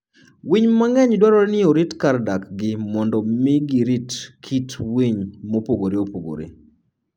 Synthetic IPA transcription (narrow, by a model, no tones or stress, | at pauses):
wiɲmaŋɛɲdwaɾɔɾnɪoɾitkardakɡɪmɔndɔmɪɡiɾitkʰitwiɲmopoɡoɾeopoɡo̰ɾḛ